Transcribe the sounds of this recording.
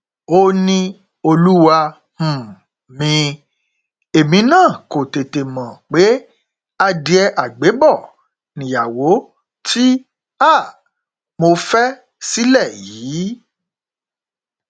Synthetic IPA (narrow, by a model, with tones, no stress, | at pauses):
o˦nĩ˦ | o˧lu˦wa˧ | h̩˨ | mĩ˧ | e˨mĩ˧nãː˦˨ko˨te˨te˨mã˨k͡pe˨˦ | a˧di˧ɛ˧ʔa˨ɡ͡be˨˦bɔ˦˨ | nĩ˨ja˨wo˨˦ | tʰi˦ | a˦˨ | mo˧fɛ˦ | si˦lɛ˦˨jiː˨˦